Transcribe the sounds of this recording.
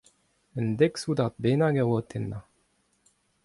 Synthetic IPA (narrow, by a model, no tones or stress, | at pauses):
ənd̪eksud̪aʁt̪̚benaɡawot̪ʰenːa